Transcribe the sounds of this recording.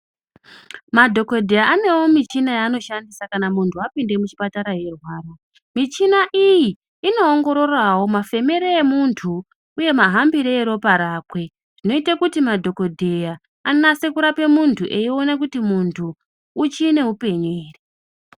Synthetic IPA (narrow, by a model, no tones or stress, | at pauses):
madʱo̞ko̞dʱe̞jaʔane̞wo̞mit͡ʃinajaːno̞ʃandisakanamuntʰuapinde̞mut͡ʃi̥pataɾaje̞rwaːro | mit͡ʃinaʔijiː | no̞ːŋɡo̞ɾo̞rawo̞mafe̞me̞ɾeːmuntʰu | uje̞maɦambiɾeeɾo̞paɾaːkwe̞ | ʐ̥ino̞itakutimadʱo̞ko̞dʱe̞ja | annasekuɾape̞muntʰuʔe̞io̞nakutimuntʰuː | t͡ʃiːne̞ɦupe̞ɲeːre